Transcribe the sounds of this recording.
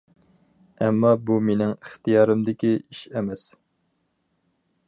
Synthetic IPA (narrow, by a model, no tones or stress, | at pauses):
ɛmːɑbumenɪŋəχt̪ijɑːɾɨmd̪ɪkʲiiʃɛmɛs